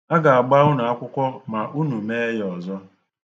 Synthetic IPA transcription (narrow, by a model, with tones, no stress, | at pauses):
a˦ɡa˨a˨ɡ͡ba˦ʊ˦na˨a˦kʷʊ˦kʷɔ˦ma˨ʔu˦nu˨me˦jɔ˨zɔ˦